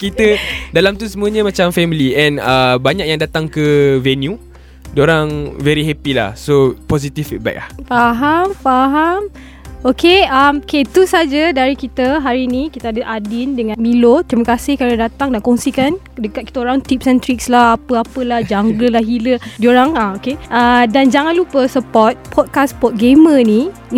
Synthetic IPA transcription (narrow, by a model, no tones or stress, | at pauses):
kit̪ədalamt̪usəmuəɲəmãt͡ʃamfɛmiliɛ̃nəbaɲak̚jaŋdat̪aŋkəvɛnju | dioɾaŋvɛɾiɦɛpila̰hsopɔs̬it̪ifba̰k̚lahfaɦamfaɦam | okeamket̪usad͡ʒadaɾikit̪əɦaɾinikit̪əadəʔadindəŋãnmilot̪ɾiməkasɪhkaɾədat̪aŋdaʔkɔŋsikan | dəkat̪̚ki̥t̪aoɾaŋt̪ip̚sɛnt̪ɾik̚slahapəapəlahd͡ʒaŋɡəlahɦilədioɾaŋaokeadand͡ʒaŋãnlupəsəpɔt̪̚pʰɔt̪̚kaspɔt̪̚ɡeməni